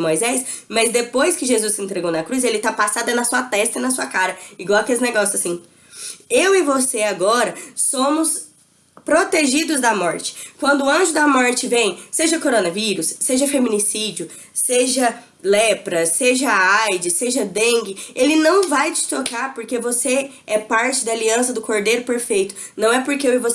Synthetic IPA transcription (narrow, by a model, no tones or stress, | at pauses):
mojzɛsmɐzd̪epojskɪʒezusːɪẽnt̪ɾeɡownɐkɾus̬elɪt̪apasad̪ɐnɐsuɐt̪ɛst̪ɐɪnɐsuɐkaɾɐiɡwawɐkelɪzneɡɔsjʊzasĩ | ewɪvoseaɡɔɾɐsõmʊs | pɾot̪eʒid̪ʊzd̪ɐmɔɾt͡ʃɪ̥kwɐ̃nd̪ʊːɐ̃ʒʊd̪ɐmɔɾt͡ʃɪvẽj̃seʒɐkoɾonɐviɾʊsːeʒɐfemĩnisid͡ʒiʊ | seʒɐ | lɛpɾɐseʒɐajd͡ʒɪseʒɐd̪ẽɡɪelɪnɐ̃w̃vajd͡ʒɪst̪ɾokaɾpoɾkevose | ɛpaɾt͡ʃɪd̪ɐːliɐ̃sɐd̪ʊkoɾd̪ejɾʊpeɾfejt̪ʊ̥ | nɐ̃w̃ɛpoɾkeewɪvos